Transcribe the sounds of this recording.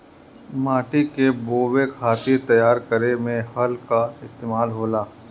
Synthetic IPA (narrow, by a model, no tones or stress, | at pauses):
maːʈikeboːwekʰaːt̪it̪ɐjaːɾkəɾemẽhɐlkaɪst̪eːmaːlɦoːlaː